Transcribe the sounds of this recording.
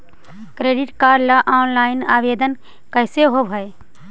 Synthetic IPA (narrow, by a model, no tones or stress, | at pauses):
kɾeːɖɪʈkaɾlaʔaːnlaːɪnaːʋed̪ən | kəɪseɦobʱəe